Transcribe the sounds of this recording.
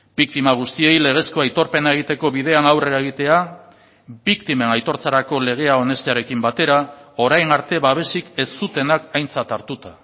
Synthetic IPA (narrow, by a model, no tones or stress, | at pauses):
bik̚t̪imaɣ̞ust̪ie̞jle̞ɣ̞e̞sko̞ajt̪o̞ɾpe̞nae̞ɣ̞it̪e̞ko̞βiðe̞anawre̞ɾae̞ɣ̞it̪e̞a | bikt̪ime̞najt̪o̞ɾt͡saɾako̞le̞ɣ̞e̞ao̞ne̞st̪eaɾe̞kimbat̪e̞ɾao̞ɾajnaɾt̪e̞βaβ̞e̞sike̞st̪ut̪e̞nakajnt͡sat̪aɾt̪ut̪a